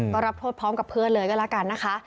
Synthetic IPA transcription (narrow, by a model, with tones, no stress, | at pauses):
kɔː˥˩ɾa˦˥p̚t̪ʰoː˥˩t̪̚pʰɔː˦˥mka˨˩pʰɯ˥˩ənlɤː˧˩jkɔ˥˩lɛ˦˥ka˧˩nːa˦˥kʰa˦˥ʔ